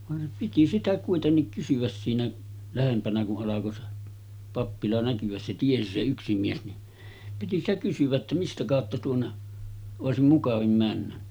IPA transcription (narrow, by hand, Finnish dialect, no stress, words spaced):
ʋɑn piti sitæ kuitenːik kysyʋæs siːnæ læhempænæ kuʔ ʔɑlɑko se pɑpːilɑ nækyæs se tiesi se yksi mies ni piti stæ kysyʋ̆æ tːæ mistæ kɑˑotːɑ tuonːe oˑesim mukɑʋim mænːæ